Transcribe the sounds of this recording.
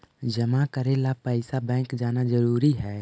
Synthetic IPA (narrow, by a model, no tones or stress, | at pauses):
d͡ʒəmakəɾelapəɪsabɛ̃ːŋkd͡ʒaːnad͡ʒəɾuːɾiɦɛː